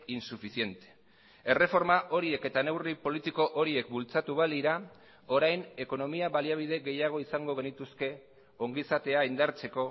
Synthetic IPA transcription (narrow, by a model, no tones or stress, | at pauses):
insufisie̞nt̪e̥ | e̞re̞fo̞ɾmaʔo̞ɾie̞ke̞t̪ane̞wripo̞lit̪iko̞ʔoɾie̞kbult͡sat̪uβaliɾa | o̞ɾajne̞ko̞no̞miaβaliaβ̞iðe̞ɣe̞jaɣ̞o̞isaŋɡo̞ɣ̞e̞nit̪uske̞ | o̞ŋɡisat̪e̞aind̪aɾt͡se̞ko̞